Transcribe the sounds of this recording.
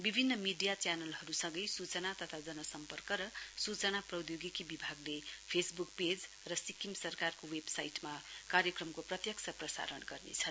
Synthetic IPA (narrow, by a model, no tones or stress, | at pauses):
bibʱinːʌmiɖijat͡sjanʌlɦʌɾusʌ̃ŋɡʌjsut͡sʌnat̪ʌt̪ʰad͡zʌnʌsʌmpʌrkʌɾʌsut͡sʌnaprʌd̪joɡikibibʱaɡlepʰesbukped͡z | rʌsikimsʌrkarkowebsajʈmakaɾjʌkrʌmkoprʌt̪jʌk̚t͡sʰʌprʌsa̰ɾʌnɡʌrnḛt͡sʰʌn